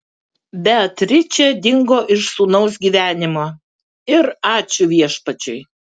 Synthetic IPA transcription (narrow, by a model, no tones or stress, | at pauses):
bʲɛɐt̪ɾʲɪt͡ʃʲɛd̪ʲɪŋɡoːʔɪʃsuːnɐʊs̬ɡʲiːʋʲæːnʲɪmoː | ɪɾɑːt͡ʃʲʊʋʲiɛʃpɐt͡ʃʲʊɪ